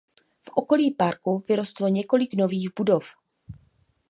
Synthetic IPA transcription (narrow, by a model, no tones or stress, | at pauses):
fʔoko̞liːpaɾkuvɪɾo̞st̪lo̞ɲɛko̞lɪkno̞viːɣbudof